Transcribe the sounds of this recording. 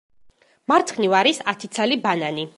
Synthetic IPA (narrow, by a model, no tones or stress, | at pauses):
maɾt̪sʰχnivaɾisat̪ʰit̪sʰalibanani